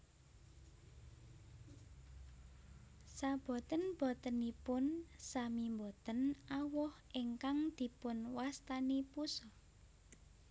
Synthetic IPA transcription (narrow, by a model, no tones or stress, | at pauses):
sab̥ɔ̤t̪ənb̥ɔ̤t̪ənipʊnsamimbɔt̪ənawɔhʔeŋkaŋd̪̥i̤pʊnwast̪anipusɔ